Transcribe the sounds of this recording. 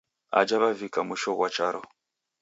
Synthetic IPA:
a̰d͡ʒaβavikamuʃɔɣwat͡ʃaɾɔ

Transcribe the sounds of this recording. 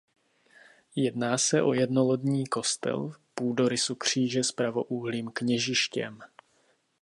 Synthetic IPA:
jɛdnaːsɛʔo̞̰jɛdnolodɲiːko̞st̪ɛ̰lpuːdo̞ɾɪsukr̝̥iːʒɛspɾavo̞ʔuɦliːmkɲɛʒɪʃcɛ̰m

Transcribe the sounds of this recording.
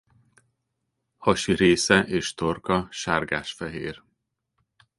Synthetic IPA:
hɒʃiɾeːsɛʔeːʃt̪orkɒʃaːrɡaːʃfɛɦeːr

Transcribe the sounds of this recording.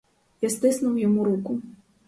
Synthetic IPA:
jast̪ɨsnuwjamuɾuku

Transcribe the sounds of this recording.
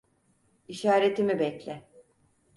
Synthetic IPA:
iʃaːɾe̞t̪ʰimibɛclʲɛ

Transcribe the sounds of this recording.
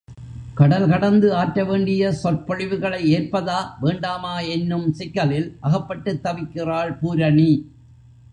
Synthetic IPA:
kɐɽɐlkɐɽɐnd̪ɯaːʈːɾɐʋeːɳɖɪjɐsɔrpɔɻɪʋɯɣɐɭɐɪeːrpɐðaːʋeːɳɖaːmaːɛnːɯmsɪkːɐlɪlʔɐɣɐpːɐʈːɯt̪ːɐʋɪkːɪraːɭpuːɾɐɳi

